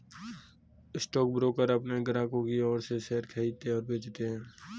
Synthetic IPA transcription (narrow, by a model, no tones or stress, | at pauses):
ɪsʈɔːk̚bɾoːkəɾɐpneɡəɾãːkõkiɔːɾsesɛːɾkʰɛit̪eɔːɾbeːd͡ʒt̪eɦɛ̃ː